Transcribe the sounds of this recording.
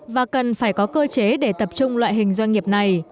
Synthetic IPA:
vaː˨˩kə˨˩nfaː˧˩jkɔ˨˦kəː˧t͡ɕe˨˦ɗe˧˩t̪ə˨˩p̚t͡ɕʊ˧ŋ͡mlwa̰ː˧˨jɦï˨˩ŋ̟zwa˧jŋ̟ŋi˨˩əp̚na˨˩j

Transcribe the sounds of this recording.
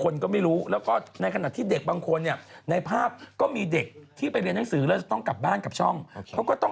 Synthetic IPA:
kʰo˧nkɔː˥˩ma˥˩jɾuː˦˥lɛː˦˥wkɔː˥˩na˧jkʰa˧na˨˩t̪ʰiː˥˩de˨˩k̚baː˧ŋkʰo˧nːi˥˩ɐna˧jpʰaː˥˩p̚kɔː˥˩miː˧de˨˩k̚t̪ʰiː˥˩pa˧jɾi˧nːa˦˥ŋsɯː˩˦lɛ˦˥wt͡ɕa˨˩t̪ɔ˥˩ŋka˨˩p̚baː˥˩nka˨˩p̚t͡ɕʰɔ˥˩ŋkʰɛ˦˥wkɔː˥˩t̪ɔ˥˩

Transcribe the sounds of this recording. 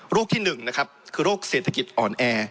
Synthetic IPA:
ɾuː˥˩k̚t̪ʰiː˥˩nɯ˨˩ŋna˦˥kʰa˦˥p̚kʰɯː˧ɾoː˥˩k̚seː˨˩t̪ʰa˨˧ki˨˩t̪̚ʔɔː˨˩nʔɛː˧

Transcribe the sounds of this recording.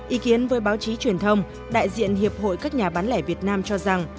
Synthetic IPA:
ʔi˨˦ki˨˦ənvəː˨˦jɓaː˨˦wt͡ɕi˨˦t͡ɕwi˨˩ənt̪ʰə˧wŋ͡m | ɗa̰ː˧˨jzḭ˧˨ənɦi˨˩əp̚ho̰˧˨jkaː˦˥k̚ɲaː˨˩ɓaː˨˦nlɛ˧˩vi˨˩ət̚naː˧mt͡ɕɔ˧za˨˩ŋ

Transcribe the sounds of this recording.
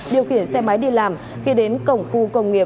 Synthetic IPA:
ɗi˨˩əwxi˧˩ənsɛ˧ma˨˦jɗi˧laː˨˩m | xi˧ɗe˨˦nkə˨˧˩wŋ͡mxu˧kə˧wŋ͡mŋi˨˩ə

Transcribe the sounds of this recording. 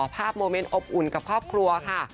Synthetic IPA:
pʰaː˥˩p̚moː˧me˧nʔo˨˩p̚ʔu˨˩nka˨˩p̚kʰɾɔː˥˩p̚kʰɾu˧ɐkʰa˥˩

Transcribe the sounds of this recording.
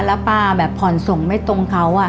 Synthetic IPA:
la˦˥paː˧bɛː˨˩pʰɔ˨˩nso˨˩ŋma˥˩jt̪o˧ŋkʰa˦˥wʔa˧˩

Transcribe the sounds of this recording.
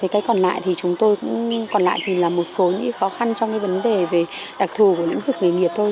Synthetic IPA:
ə˨˦jkaː˨˦jkɔ˨˩nla̰ː˧˨jt̪ʰi˨˩t͡ɕʊ˨˦ŋ͡mt̪o˧jkʊ̰˧˥ŋ͡mkɔ˨˩nla̰ː˧˨jt̪ʰi˨˩laː˨˩mo˨˩t̚so˨˦ɲɨ̰˧ŋka˨˦xɔ˨˦xa˧nt͡ɕɔ˧ŋ͡mkaː˨˦jvə˨˦nɗe˨˩ve˨˩ | ɗa˨˩k̚t̪ʰu˨˩ku˧˩əl̰ŋ̟vɨ˨˩k̚ŋɨ˨˩jŋi˨˩əp̚t̪ʰo˧j

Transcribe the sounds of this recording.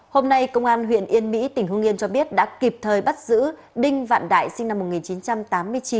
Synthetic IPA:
ho˧mna˧jkə˧wŋ͡mʔaː˧nɦwḭ˧˨ənʔi˧ənmḭ˧˥t̪ï˨˩ŋ̟hʊ˧ŋi˧nt͡ɕɔ˧ɓi˦˥ət̚ɗa̰ː˧˥ki˨˩p̚t̪ʰəː˨˩jɓa˦˥t̚zɨ̰˧˥ | ɗï˧ŋ̟va̰ː˧˨nɗa̰ː˧˨jsï˧ŋ̟na˧mːo˨˩t̚ŋi˨˩nt͡ɕi˨˦nt͡ɕa˧mt̪aː˨˦mːɨ˧əjt͡ɕi˨˦n

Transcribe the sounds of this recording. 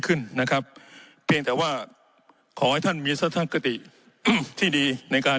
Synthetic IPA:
kʰɯ˥˩nːa˦˥kʰɾa˦˥p̚pʰi˧əŋt̪ɛː˨˩waː˥˩ | kʰɔː˩˦ha˥˩jt̪ʰa˥˩nmiː˧sa˦˥t̪ʰa˧˥ka˧t̪i˨˩ | t̪ʰiː˥˩diː˧na˧jkaː˧

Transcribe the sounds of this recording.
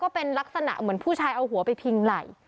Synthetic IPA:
kɔː˥˩pe˧nla˦˥k̚sa˧na̰˨˩ʔmɯ˩˦ənpʰuː˥˩t͡ɕʰaː˧jʔa˧wɦu˩˦ɐpa˧jpʰi˧ŋla˨˩j

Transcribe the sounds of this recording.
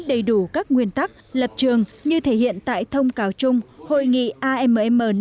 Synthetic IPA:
ɗə˨˩jɗu˧˩kaː˦˥k̚ŋwi˧ənt̪a˦˥k̚lə˨˩p̚t͡ɕɨ˨˩əŋɲɨ˧t̪ʰe˧˩hḭ˧˨ənt̪a̰ː˧˨jt̪ʰə˧wŋ͡mkaː˨˩wt͡ɕʊ˧ŋ͡mho̰˧˨jŋḭ˧˨ʔaː˧ʔɛ˧mə˨ɛ˧mʔəː˨˩n

